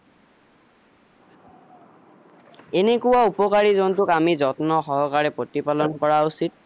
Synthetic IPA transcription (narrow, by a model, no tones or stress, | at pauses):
enekuwaupɔkaɹizɔntʊkamizɔtnɔxɔɦɔkaɹɛpɹotipalɔnkɔɹausit̚